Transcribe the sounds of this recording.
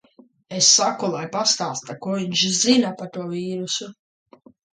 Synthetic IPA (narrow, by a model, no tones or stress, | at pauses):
esːakulˠajpast̪aːst̪akuɔviɲʃzinapaɾt̪uɔvʲiːɾusu